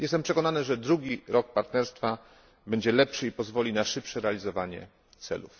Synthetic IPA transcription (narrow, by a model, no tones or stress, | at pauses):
jɛst̪ɛmpʂɛkɔnanɘʐɛd̪ɾuɡʲiɾɔk̚paɾt̪nɛɾst̪fa | bɛɲd͡ʑɛlɛpʂɘipɔzvɔlʲinaʂɘpʂɛɾɛalʲizɔvaɲɛ̰ | t̪sɛ̰lṵf